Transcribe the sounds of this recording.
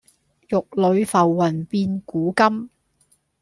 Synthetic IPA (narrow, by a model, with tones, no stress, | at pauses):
jʊ˨k̚lɵ˨˧ɥfɐ˨wːɐ˨˩npiː˧nkuː˨˥kɐ˥m